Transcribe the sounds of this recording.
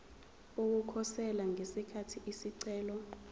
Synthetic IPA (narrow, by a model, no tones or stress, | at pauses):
uk̬ukʰɔsɛlaŋesikʰatʰiʔisiǀɛːlɔ